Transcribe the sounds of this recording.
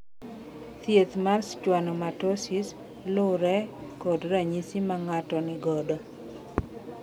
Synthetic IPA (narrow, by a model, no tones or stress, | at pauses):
t̪jet̪marst͡ʃwanɔmatosis | lʊɾɛkɔdɾaɲisimaŋatɔnɪɡɔdɔ